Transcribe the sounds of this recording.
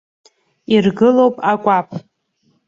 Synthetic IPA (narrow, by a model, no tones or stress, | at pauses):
irɡɨlowpʼakʷʼapʼ